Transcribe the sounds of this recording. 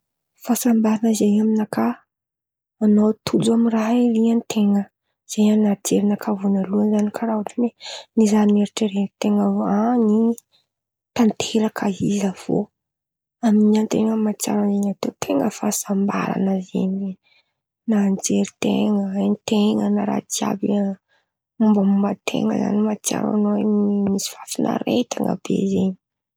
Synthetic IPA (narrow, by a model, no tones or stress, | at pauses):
fasambaɾanəzeaminakʰa | anot̪ʰud͡zaminraɦeliant̪ʰeŋə | z̥ejanad͡ʒeɾinakʰavunaluənzanikʰaɾauʈ͡ʂimenizaneɾiʈ͡ʂəɾet̪eŋəvani | t̪ant̪ʰeɾakʰaizəv̥o̰ | aminiant̪eŋəmat͡sja̰ɾazeɲat̪et̪ʰeŋəfasamba̰ɾa̰nəzḛɲ | nand͡zeɾit̪eŋəant̪eŋənaɾa̰t͡sja̰bi | umbəmumbət̪ʰḛŋə̰za̰nimat͡sja̰ɾa̰noemisi̥fafinʔa̰ɾet̪aŋə̰b̥ḛzeɲi̥